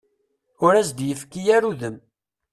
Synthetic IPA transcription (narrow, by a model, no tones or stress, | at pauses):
ʊɾæsd̪jəfkːijæɾuðəm